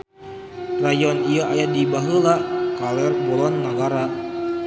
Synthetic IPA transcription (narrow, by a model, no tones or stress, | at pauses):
rajɔniaʔajadibaɦəlakalɛrbɔlɔnːaɡaɾa